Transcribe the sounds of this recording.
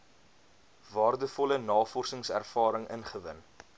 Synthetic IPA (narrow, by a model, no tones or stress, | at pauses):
vɑːrdəfɔlənɑːfɔrsəŋsæ̰rfɑːɾəŋʔə̰nχəvə̰n